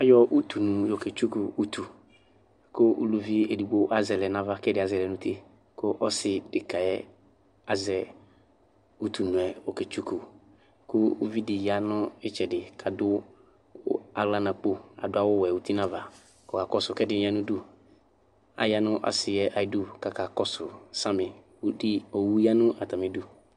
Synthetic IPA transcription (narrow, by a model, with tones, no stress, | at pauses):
a˦jɔ˦ʔu˦t̪u˨nũ˨jo˨ke˨t͡ʃu˦ku˨u˦t̪ʰu˨ | kʊ˦ṵ˦lu˦vi˦e˨du˨bo˦ʔa˦zɛ˨lɛ˨nã˨va˦kɛ˦dɪ˨a˨zɛ˨lɛ˨nʊ̃˦t̪ʰe˦ | kʊ˦ʔɔ˦sɪ˨dɪ˨ka˨ɛ˦ | a˨zɛ˨ | u˦t̪u˨nũ˨ɛ˨o˨ke˨t͡ʃu˦ku˨ | kʊ˦ṵ˦vi˦dɪ˨ja˦nʊ̃˦ɪ˦t͡ʃɛ˨dɪ˨kʰa˨dʊ˦ | a˨ɡla˦nã˨k͡po˦a̰˨dʊ˦a˦wʊ˦wɛ˨wu˨t̪i˦nã˦va˨ | ɔ˨ka˨kɔ˦sʊ˨kɛ˦dɪ˦ɲ˦ã˦nʊ̃˦du˦ | a̰˨ja˦nʊ̃˦ʔa̰˨sɪ˨jɛ˦ʔa˨ɪ˦du˦ka˨ka˨kɔ˦sʊ˨sã˦mɪ̃˨˦ | o˨wu˦ja˦nʊ̃˦ʔa˨t̪a˨mɛ˨du˦